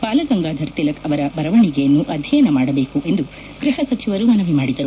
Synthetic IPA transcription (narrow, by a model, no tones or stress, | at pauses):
paːlɐɡɐŋɡaːd̪ʱɐɾt̪ilɐkɐʋɐɾɐbɐɾɐʋɐɳiɡejɐnːuʔɐd̪ʱjɐjɐnɐmaːɽɐbeːkuʔe̞nd̪u | ɡ̥ɾiɦɐsɐt͡ʃiʋɐɾumɐnɐʋimaːɽid̪ɐɾu